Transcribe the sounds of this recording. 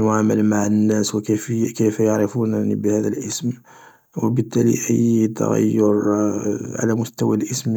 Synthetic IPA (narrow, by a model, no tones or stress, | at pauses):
naməlmaʕənːæswkfkəfjaʕɾəfunnibəhæd̪ælʔəsm | wəbət̪ːælḭʔəjːt̪æ̰ɣa̰jːʊɾ | ʕa̰læmʊst̪æwælʔəsm